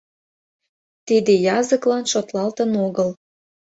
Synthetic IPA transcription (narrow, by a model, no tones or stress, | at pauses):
t̪id̪ejɑzəklɑnʃot̪lɑlt̪ənoɣəl